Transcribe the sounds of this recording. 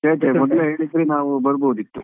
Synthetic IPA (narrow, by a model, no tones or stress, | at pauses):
t͡ʃeːt̪emɔd̪leɦe̞ːɭisɾenaːʋubɐɾboɦud̪it̪ːu